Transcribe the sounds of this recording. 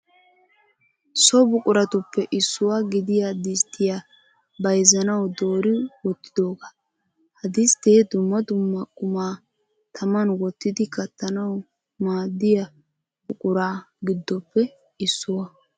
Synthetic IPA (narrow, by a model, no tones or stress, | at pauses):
sɔbʊkʼʊɾɐt̪ʊpːɛʔɪsːʊwaɡɪd̪ɪjad̪ɪst̪ːɪja | bɐjzɐnɐwd̪oːɾɪwɔt̪ːɪ̥d̪o̞ːɡa | hɐd̪ɪst̪eːd̪ʊmːɐd̪ʊmːɐkʼʊmaː | t̪ʰɐmɐnwɔt̪ːɪd̪ɪkɐt̪ːɐnɐw | maːd̪ːɪja | bʊkʼʊɾaːɡɪd̪ːɔpːɛ | ɪsːʊwɐ